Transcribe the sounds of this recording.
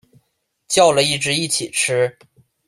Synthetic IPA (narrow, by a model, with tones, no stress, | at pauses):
t͡ɕjɑ˥˧ʊlə˩i˥˩ʈ͡ʂɻ̩˧˥i˥˩t͡ɕʰi˨˩ʈ͡ʂ̩ʰ˥